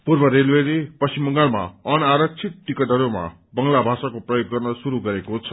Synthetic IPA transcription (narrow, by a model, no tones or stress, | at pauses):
purbʌɾelweɾipʌsimbʌŋɡalma̰ʌnaɾʌk̚t͡sʰit̪̚ːikʌdʌɾoma̰ | bʌŋlabʱasakoprʌjoɡːʌrnʌsuɾuɡʌɾekot͡sʰʌ